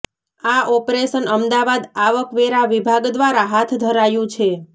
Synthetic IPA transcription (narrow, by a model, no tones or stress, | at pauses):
aʔɔpɾeʃənəmd̪aʋad̪aʋəkʋeɾaʋibʱaɡd̪ʋaɾaɦat̪ʰd̪ʱəɾajũt͡ʃʰe